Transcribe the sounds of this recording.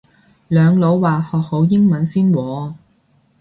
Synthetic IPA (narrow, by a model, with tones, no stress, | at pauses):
lœː˨˧ŋlo˨˧˥wːaː˨˩hɔː˨k̚ho˨˧˥wjɪ˥ŋmɐ˨˧˥nsiː˥nwɔː˨˧